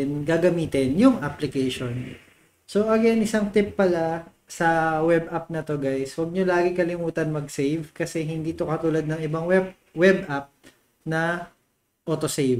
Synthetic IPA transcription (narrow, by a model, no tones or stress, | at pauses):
nɡaɡɐmiːt̪ɪnjʊŋʔaplɪkɛjʃon | soʔɐɡɛnʔɪsaŋt̪ɪpːɐla | sɐwɛbʔap̚nɐt̪o̞ɡajswɐɡ̚ɲolaːɡɪkɐlɪmuːt̪ɐnmɐɡsejvkɐsɛɦɪnd̪iːt̪o̞kɐt̪uːlɐd̪̚nɐŋɪbaŋwɛb | wɛb̚ʔap̚ | nɐ | ʔoːt̪osejv